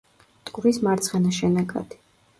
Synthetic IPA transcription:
t̪ʼɡʼvɾismaɾt̪sʰχɛnaʃɛnɛɡa̰d̪̥i̥

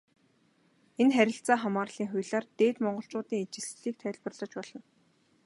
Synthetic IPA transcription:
enχæɾʲɪ̆ɬt͡saːχamaːrɮ̥iːŋχʊjɮaːrt̪eːt̪mɔɴɢɞ̆ɬt͡ɕʊːt̪iːŋet͡ɕɪ̆sɮiːk̚t̪ʰœːɮʲpə̆rɮɞ̆t͡ɕpɔɮ̥ɞ̆n

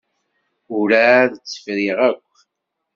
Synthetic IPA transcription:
ʊɾæðət͡sːə̥fɾiʁækʷː

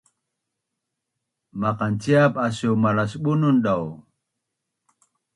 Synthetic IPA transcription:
maqant͡siapasuwmalasɓununɗaw

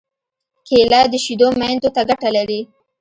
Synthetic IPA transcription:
kʰelɑd̪əʃid̪omand̪ot̪aɡaʈalaɾi

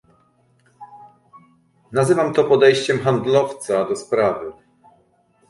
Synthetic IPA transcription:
nazɘvamt̪ɔpɔd̪ɛjɕt͡ɕɛmxand̪lɔft̪sad̪ɔspɾavɘ

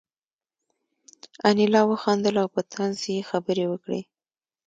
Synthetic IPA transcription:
anilɑwəxɑnd̪əlawpət̪ʰanzjexabəɾewəkɽḛ

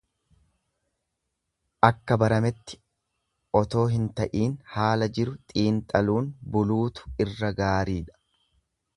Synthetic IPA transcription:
ʔɐkːɐbɐɾɐmɛt̪ːɪ̥ | ʔɔt̪o̞ːɦɪnt̪ɐʔiːnhaːlɐd͡ʒɪɾʊt̪ʼiːnt̪ʼɐluːnbʊluːt̪ʊ̥ɪrːɐɡaːɾiːᶑɐ̥

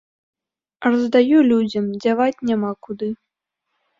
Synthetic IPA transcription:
rɐzd̪ajulʲud͡zʲɐmd͡zʲavat͡sʲnʲamakud̪ɨ

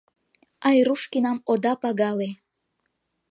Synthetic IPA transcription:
ɑjɾuʃkinɑmod̪ɑpɑɡɑle

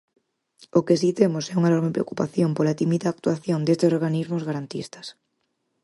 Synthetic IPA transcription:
ʊkesit̪emʊsɛuŋaenɔɾmepɾeokupaθjompolat̪imiðaːk̚t̪uaθjond̪est̪esoɾɣanizmʊzɣaɾant̪ḭst̪ɐ̥s

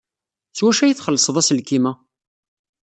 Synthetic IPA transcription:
swæʃæjəθχəlːəsˤəðˤæslkimæ

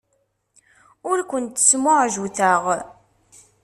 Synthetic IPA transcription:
ʊɾkʷənt̪ːə̥smʊʕʒuθəʁ

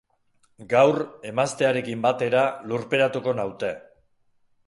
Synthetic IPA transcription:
ɡawre̞mast̪e̞aɾe̞kimbat̪e̞ɾaluɾpe̞ɾat̪uko̞nawt̪e̞

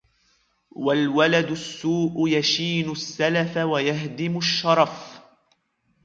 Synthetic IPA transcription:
walwalad̪ʊsːuːʔʊjaʃiːnʊsːalafawajaɦd̪ɪmʊʃːɑɾˤɑf

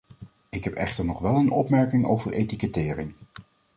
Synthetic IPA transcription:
ɪkɦɛpɛ̰χtəɹnɔχʋɛlˠənʔɔ̰pmɛɹkɪŋo̰wvəɹʔejtikətɪːrɪŋ

